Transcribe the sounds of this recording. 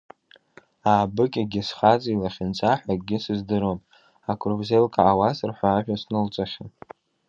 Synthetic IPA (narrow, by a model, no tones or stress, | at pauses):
aːbɨkʲʼaɡʲɪsχat͡sʼiilaχʲɪnt͡sʷʼaħʷᶣakʼɡʲɪsɨzdɨɾomʼ | akʷʰʼruvzelkʰʼaːwasɨrħʷᶣaːʒᶣasnɨlt͡sʷʼaχʲan